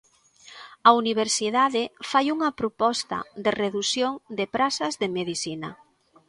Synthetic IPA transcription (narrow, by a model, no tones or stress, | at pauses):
ɐuniβ̞eɾsiðaðɪfajuŋɐpɾopɔst̪ɐ̰d̪ɪreðusjoŋd̪epɾasɐzðemeðisinɐ̰